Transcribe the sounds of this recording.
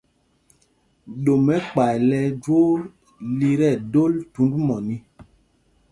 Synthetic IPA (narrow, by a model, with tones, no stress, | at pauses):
ɗo˨mɛ˦k͡pa˨jlɛ˦d͡ʒo˦ | li˦ɾɛ˦˨do˦ltu˨˦ndmɔ˨ni˦